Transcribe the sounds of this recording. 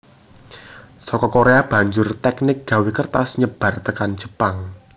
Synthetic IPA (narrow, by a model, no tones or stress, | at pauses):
sɔkɔkoɾeab̥a̤ɲd͡ʒʊrt̪ɛknɪk̚ɡ̥a̤wekərt̪asɲəb̥a̤rt̪əkand̥ʒ̥ə̤paŋ